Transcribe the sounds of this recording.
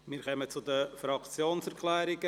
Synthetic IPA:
mɪːɾχœmət͡sʊd̪əfɾɑkt͡sjoːnsɛɾkʰlɛːɾɪɡə

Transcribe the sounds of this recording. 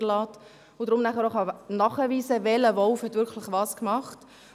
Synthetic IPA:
lɑːt | ʊdɾʊmnæχəɾoχɑnɑχəʋiːsəʋɛləʋɔlfhɛtʋʏɾkʰlɪχʋɑːskmɑχt

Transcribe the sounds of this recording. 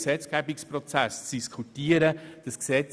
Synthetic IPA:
sɛt͡sɡ̥ɛbikspɾɔt͡sæst͡sd̥iskʰutiːəɾəd̥əsksɛt͡s

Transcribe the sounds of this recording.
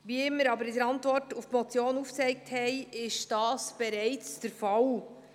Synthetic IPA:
ʋiəɪmːəɾɑbəɾɪdəɾɑntvɔrtuftmɔt͡sjoːnuft͡sɛɪk̚thɛjɪʃd̥ɑːsb̥ɛɾɛɪt͡sd̥əɾfɑl

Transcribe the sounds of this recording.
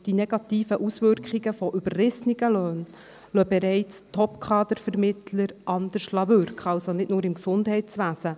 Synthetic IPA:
d̥inɛɡ̥ɑt̪iːfəʔusʋʏɾkχiɡəfɔʔybərrɪsniɡ̥əlœːn | lœbɛɾɛɪt͡stʰɔpkʰχɑːd̪əɾfəɾmɪt̪ʰləɾʔɑnd̪əʃlɑbʏɾkχɑwsonɪtnʊːɾɪmksʊnd̥ɦɛɪt͡sʋæːsə

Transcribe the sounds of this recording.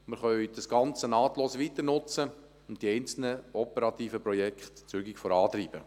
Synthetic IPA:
mɪɾχœʏd̥ɑsɡ̥ɑnt͡sənɑːt̪loːsʋit̪əɾnʊt͡sə | ʊntd̥iɛɪnt͡sl̩nəɔpɛɾɑt̪iːfəpɾɔjɛkχt̪t͡syɡikfɔɾɑːt̪ɾiːb̥ə

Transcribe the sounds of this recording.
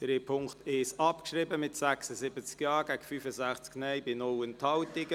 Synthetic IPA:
d̥ɾeːpʰʊŋktɪʃɑpkʃɾibəmɪtsæksəzɪbət͡skjɑːɡ̥æɡfyːfəzæχt͡sknɛjbɪnɔwənthɑwtɪɡə

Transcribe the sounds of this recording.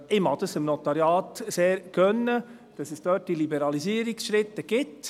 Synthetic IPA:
ɪmhɑd̪əsɪmnɔt̪ɑɾjɑːt̪seːɾɡ̥œnːə | d̥ɑsɛsd̥œːt̚d̥ilibəɾɑlisiːəɾiksʃɾɪt̪ːəɡ̥ɪt

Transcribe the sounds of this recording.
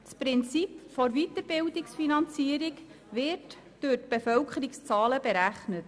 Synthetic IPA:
t͡spɾɪnt͡sipfɔɾvitəɾb̥ɪwdɪksfinɑnt͡siəɾik | ʋɪːɾt | d̥øtb̥efœwkʰχəɾɪkst͡sɑːləbeɾæχnət

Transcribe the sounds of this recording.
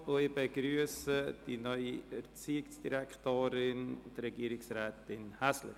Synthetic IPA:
ʊɪbeɡɾyəsəd̥inœʏiɛɾt͡siːɪksd̥iɾɛktoːɾɪnd̪ɾɛɡiːɾɪksrɛːt̪ɪnhaslə̰

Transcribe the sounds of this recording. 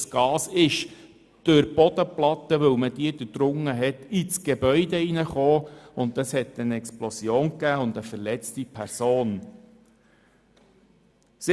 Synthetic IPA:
sɡ̥ɑːsɪʃ | d̪̥øɾb̥ɔd̪əplɑt̪ːəʋɵwməd̥̪iəd̥̪əd̪̥ɾʊŋːəɦɛt̪it͡sɡ̥ebœʏd̪einəχoːʊnəshɛt̪ːənɛksplɔsjoːnkæːʊnd̪əfəɾlɛt͡stipʰæɾsoːn | sɪ

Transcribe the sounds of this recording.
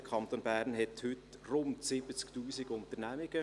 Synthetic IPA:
əkʰɑnt̪onbæːɾnhɛthʏtrʊntsɪbət͡sktuːsiɡʊnt̪əɾnæmɪɡə

